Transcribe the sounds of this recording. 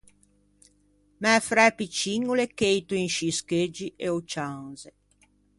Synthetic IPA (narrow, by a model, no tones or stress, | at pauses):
mɛfɾɛpit͡ʃiŋːulekejt̪uiŋʃisked͡ʒiʔeot͡ʃaŋze